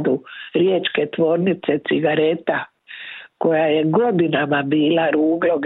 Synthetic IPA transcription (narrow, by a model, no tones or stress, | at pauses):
d̪uɾjeːt͡ʃke̞t̪ʋo̞ːɾnit̪se̞t̪siɡaɾet̪a | ko̞jajeɡo̞d̪inamabiːlaɾuːɡloɡ